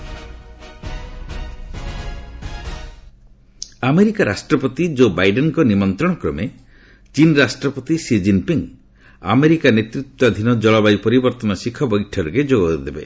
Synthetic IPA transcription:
ameɾikaɾasʈɾɔpɔt̪id͡ʒobajɖenkɔnimɔnt̪ɾɔɽ̃ɔkɾɔme | t͡ʃinɾasʈɾɔpɔt̪isid͡ʒinpiŋ | a̰meɾikanet̪ɾit̪ːwad̪ʱinɔd͡ʒɔɭɔbajpɔɾibɔɾt̪ɔnɔsikʰɔbɔjʈʰɔɾked͡ʒoɡɔd̪ebe

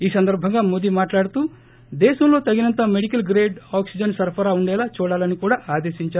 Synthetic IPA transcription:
iːsɐnd̪ɐɾbʱɐŋɡaːmod̪imaːʈlaːɽut̪uː | d̪ɛːʃɐmlo̞ːt̪ɐɡinɐnt̪ɐmeɽikɐlɡɾeːɖaːksid͡ʒɐnsɐɾpʰɐɾaːuɳɖɛːlaːt͡ʃuːɽaːlɐnikuːɽaːaːd̪eːʃiɲt͡ʃaː

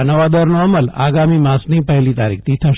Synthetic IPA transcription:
nəʋad̪əɾnoəməla̰ɡamimãsnipəɦɛlit̪aɾḭk̚ʰt̪ʰit̪ʰəʃ

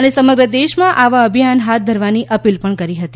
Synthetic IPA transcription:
ənesəməɡɾəd̪eʃmãʔaʋaəbʱijanɦat̪̚d̪ʱəɾʋaniʔəpilpəɳkəɾiɦət̪i

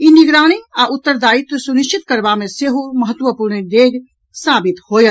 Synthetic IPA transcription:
iniɡɾaːɽ̃iaʔʊt̪ːəɾd̪aːit̪suniʃt͡ʃɪt̪kəɾbamẽseɦuməɦət̪wəpuːɾnideːɡ | saːbɪt̪hoːjət̪

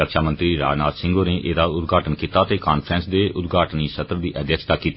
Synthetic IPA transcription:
ək̪ʃʰaːmənt̪ɾiːɾa̰ːd͡ʒnaːt̪sɪ̃ŋɡoːneːʔeːd̪aːʊt̪ɡʱaːʈənkiːt̪aːt̪eːkaːnpʰɾɛ̃ːnsd̪eːʔʊt̪ɡʱaːʈəniːsət̪ɾəd̪iːʔəd̪jəkʃt̪aːkiːt̪ː

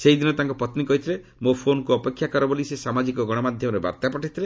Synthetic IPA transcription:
seɦid̪inɔt̪aŋkɔpɔt̪nikɔɦit̪ʰilemopʰonɔkuɔpekʰːjakɔɾɔbolisesamad͡ʒikɔɡɔɽ̃ɔmad̪ʱjɔmɔɾeba̰ɾt̪apɔʈit̪ʰile

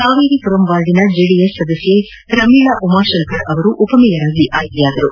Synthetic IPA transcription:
saːʋiːɾipuɾɐmbaːlɖinɐd͡ʒiːɖiesːɐd̪ɐsje | ɾɐmiːɭaʔumaːɾʃɐlkɐɾɐʋɐɾuʔupɐmijɐɾaːɡiʔaːjt̪ɐjaːd̪ɐɾu

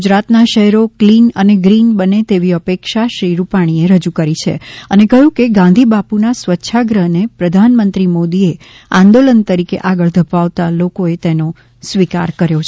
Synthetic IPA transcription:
ud͡ʒɾat̪naʃəɦɛɾoklinəneɡɾinbənet̪eʋiəpekʃaʃɾiɾupaɽ̃ieɾəd͡ʒukəɾit͡ʃʰḛənekəjũkeɡãnd̪ʱibapunasʋətːʃʰaɡɾəɦnepɾəd̪ʱanmənt̪ɾimod̪ie | ãnd̪olənt̪əɾikḛʔaɡəɭd̪ʱəpaʋt̪alokoet̪eno | sʋika̰ɾkəɾjot͡ʃʰ

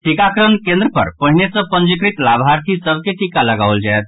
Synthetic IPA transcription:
ʈikakɾənkẽnd̪ɾəpə̰ɾpəɦinesə̃pə̃nd͡ʒikɾit̪labʱaɾt̪ʰisəbkeʈikaləɡaʊəld͡ʒaet̪̚ʰ

